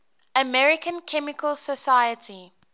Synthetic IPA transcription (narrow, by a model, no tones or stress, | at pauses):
əmɛɹɪkə̃nkʰɛmɪkəlsəsaɪjətʰi